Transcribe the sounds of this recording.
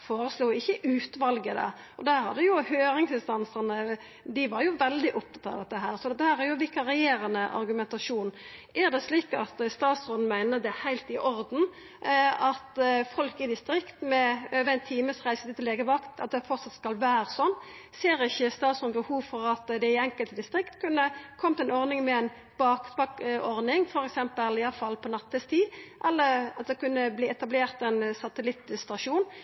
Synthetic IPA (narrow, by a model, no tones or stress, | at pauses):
foːɾəsluːɪçːəʔʉːt̪ʋɑlɡəd̪ɛ̰ | ʔɔd̪æɾhɑd̪ːəjʊhøːɾɪŋsɪnst̪ɑnsənə | d̪ɪʋɑɾjʊʋɛld̪ɪʔʊp̚t̪ʰɑ̥t̪ːɑ̰d̪ɛt̪ːəɦæːɾsɔd̪ɛt̪ːəhæːɾæɾjʊʋɪkːɑɾɛjeːɾɑnəʔɑ̰ɾɡʉmɛnt̪ɑʂuːnʔæɾd̪ɛsliːkɑt̪st̪ɑːt̪sʁɔn̩mæɪnəd̪ɛhæɪlt̪ɪʔɔɾd̪n̩ | ɑt̪fɔlkɪd̪ɪst̪ɾɪkt̪mɛøːʋəæɪnt̪ʰiːməsʁæɪsət̪ɪɪleːɡəʋɑkt̪ɑ̰t̪̚d̪ɛfɔɾt̪sɑt̪skɑlʋæːɾəsɔnː | seːɾɪçːəst̪ɑːt̪sɔnmbəhuːʋfɔɾɑt̪d̪ɛɪɛŋkəlt̪əd̪ɪst̪ɾɪkt̪kʰʉnːəkʰɔmt̪ɛnɔɾnɪŋmɛɛn | b̥ɑːkt̪ʋɑkɔɾdnɪŋfɔɾɛksɛmpəlɪɑfɑlːpʰɔnɑt̪ʰːəst̪ʰiːʔɛlːəʁɑt̪̚d̪ɛkʉnːəbliːɛt̪ɑbleːʁt̪ɛnsɑt̪əlɪt̪st̪ɑʃuːn